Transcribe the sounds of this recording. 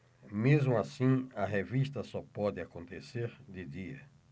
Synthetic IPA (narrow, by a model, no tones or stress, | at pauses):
mezmʊasĩɐɦevist̪ɐsɔpɔd̪ɪakõnt̪eseɾd̪ɪd̪iɐ̰